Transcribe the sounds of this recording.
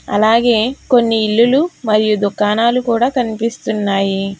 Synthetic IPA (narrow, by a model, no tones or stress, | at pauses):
ɐ̰laːɡe̞ːko̞nːiːlːulumɐɾijud̪ukːaːnaːlukuːɽaːkɐnipist̪unːaːji